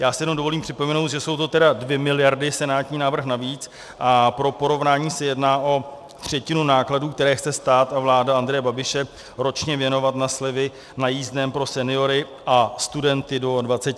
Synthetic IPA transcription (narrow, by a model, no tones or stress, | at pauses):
jaːsɪjɛnomdo̞vo̞liːmpr̥ɪpo̞mɛno̞wt̪ʒɛso̞wt̪ot̪ɛdadvjɛmɪlɪjaɾdɪsɛnaːt̪ɲiːnaːvr̩xnaviːt͡s | ʔapɾo̞po̞ɾo̞vnaːɲiːsɛjɛdnaːʔo̞ | t̪r̝̥ɛcɪnunaːkladuːk̚t̪ɛɾɛːxt͡sɛst̪aːt̪avlaːdaand̪ɾɛjɛbabɪʃɛ | ɾo̞t͡ʃɲɛvjɛno̞vat̪naslɪvɪ | najiːzdnɛːmpɾo̞sɛnɪo̞ɾɪ | ʔast̪udɛnt̪ɪdo̞dvat͡sɛ